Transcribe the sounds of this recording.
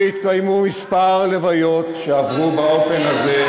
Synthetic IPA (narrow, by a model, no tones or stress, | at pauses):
it̪̚kajmumispaʁlevajot̪ʃeavʁubao̞fenaze